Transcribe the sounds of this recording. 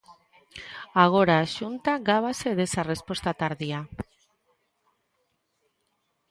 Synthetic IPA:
aɣ̞o̞ɾaʃunt̪aɣaβ̞ase̞ðe̞sare̞spo̞st̪at̪aɾðia

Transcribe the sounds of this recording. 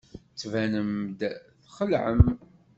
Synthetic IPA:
t͡sːvænəmd̪θχəlʕəm

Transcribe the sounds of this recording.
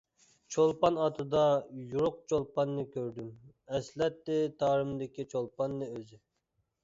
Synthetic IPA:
t͡ʃʰolˠpɑnɑt̪ʰɨd̪ɑjuɾʊq̚t͡ʃʰolˠpɑnːɨkʲʰøɾd̪ym | ɛslɛt̪ːɪt̪ʰɑːɾɨmd̪ɪkʲit͡ʃʰolˠpɑnːɨøzɪ

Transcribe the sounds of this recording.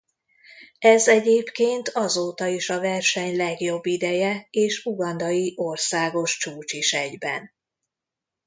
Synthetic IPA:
ɛzɛɟeːpkeːnt̪ʰɒzoːt̪ɒiʃɒvɛrʃɛɲlɛɡjo̞bːid̪ɛjɛeːʃuɡɒnd̪ɒjiʔo̞rsaːɡo̞ʃt͡ʃuːt͡ʃiʃɛɟbɛ̰n

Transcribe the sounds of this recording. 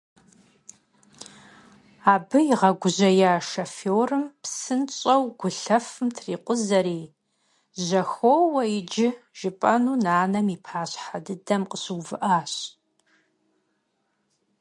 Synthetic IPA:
aːbɨiʁɐɡʷʊʑɐjaːʂɐfoːrɨmpsɨnt͡ʃʼɐwɡʷʊɬɐfɨmtʰriːqʷʼʊzɐɾiː | ʑɐxowɐjɪd͡ʒɪʒ̥ɪpʼɐnuːnaːnɐmiːpʰaːɕħadɨdɐmqəɕɨwvɨʔaːɕ

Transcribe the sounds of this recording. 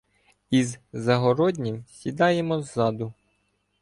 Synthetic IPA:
izzɐɦɔɾɔdʲnʲimsʲid̪ɑjemɔzːɑd̪ʊ

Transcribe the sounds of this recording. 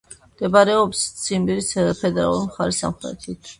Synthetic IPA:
md̪̥ɛbaɾɛɔpst̪sʰimbiɾisad̪apʰɛd̪ɛɾa̰lˠuɾimχaɾisa̰mχɾɛ̰t̪ʰit̪ʰ

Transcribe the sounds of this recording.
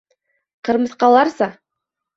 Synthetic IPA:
qɤ̆ɾmɤ̆θqɑlˠɑɾsɑ

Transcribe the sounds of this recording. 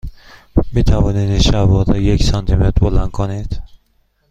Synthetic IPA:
miːt̪ʰævɒːnid̪ʃævɒd̪ɛjecsɒnt̪ʰimet̪ɾbolænd̪̚kʰonid̪̥

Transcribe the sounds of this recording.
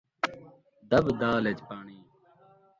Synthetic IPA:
d̪ɐbd̪aːlet͡ɕpaːɳiː

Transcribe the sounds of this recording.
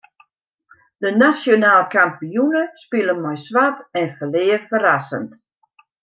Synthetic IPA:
d̥ənasjonaːlˠkampijunəspɪlˠəmɔjsʋatɛnfəlɪːəfərasə̰nt

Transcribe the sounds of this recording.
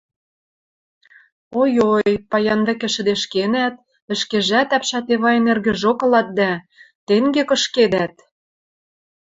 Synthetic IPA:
ojojpɑjɑnβɘ̆kɘ̆ʃɘ̆d̪eʃkenæt̪̚ | ɘ̆ʃkeʒæt̪æpʃæt̪eβɑjɤ̆nerɣɘ̆ʒokɤ̆lɑt̪̚d̪æ | t̪eŋɡekɤ̆ʃked̪æt̪̚

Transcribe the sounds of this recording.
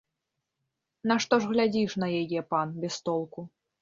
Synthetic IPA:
nɐʂt̪ɔʐɣlʲad͡zʲiʂnɐjajɛpanbʲɛst̪ɔlˠku

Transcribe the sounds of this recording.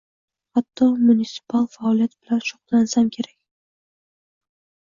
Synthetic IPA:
χat̪ʰːɒmunʲisɪ̥pʰalˠfaɒlijat̪̚bɪlanʃʊ̥qlˠansamkʲʰe̞ɾakʲ

